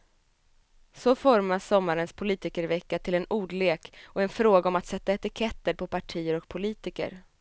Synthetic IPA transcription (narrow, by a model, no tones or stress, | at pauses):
sɔfɔɾmasːɔmːaɾənspʰʊliːt̪ɪkəɾvɛkːat̪ʰɪlɛnuːɖleːkɔɛnfɾoːɡaɔmat̪sɛt̪ːaɛt̪ɪkʰɛt̪ːəɾpʰɔpʰaʈʰiːəɾɔk̚pʰʊliːt̪ɪkə̰ɾ